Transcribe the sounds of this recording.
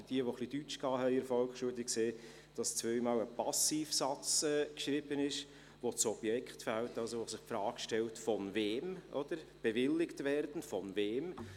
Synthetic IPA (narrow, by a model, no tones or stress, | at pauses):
d̥iəʋoχlid̥yt͡ʃkɑːɦɛɪɪɾfɔlkχʃuədɪkseː | d̥ɑst͡svœʏmɑːləpɑsiːfsɑt͡sɛːkʃɾɪb̥ənɪʃ | ʋot͡sɔb̥jɛkχtfæltɑlsoʋosɪχpfɾɑːkʃtɛltfɔnveːmʔɔd̥əɾb̥ɛvɪlɪktvɛrd̥n̩fɔnveːm